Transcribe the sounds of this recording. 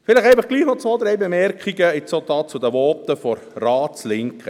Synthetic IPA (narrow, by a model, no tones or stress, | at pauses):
fɪlɪχɛɪfəχɡ̥liːχnɔt͡sʋoːd̪ɾɛjbemɛɾkʰiɡəɪt͡sod̪ɑːt͡sud̪əʋɔːt̪əfɔɾrɑːt͡slɪŋkχə